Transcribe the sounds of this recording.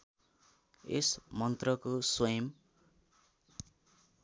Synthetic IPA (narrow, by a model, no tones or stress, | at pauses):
ḛsmʌnt̪rʌkoswʌjʌm